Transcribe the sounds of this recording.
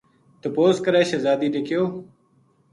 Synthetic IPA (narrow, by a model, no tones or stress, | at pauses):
t̪əpoːzkəɾeːʃəzaːd̪iːɗeːkʰjoː